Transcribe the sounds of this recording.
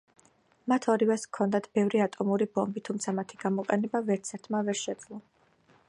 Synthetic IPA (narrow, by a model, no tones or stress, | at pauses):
mat̪ʰɔɾivɛskʰːɔnd̪at̪ʰb̥ɛvɾiat̪ʼɔmuɾibɔmbit̪ʰumt̪sʰamat̪ʰiɡ̥amɔqʼɛnɛbavɛɾt̪sʰɛɾt̪ʰmavɛɾʃɛd̪z̥lˠɔ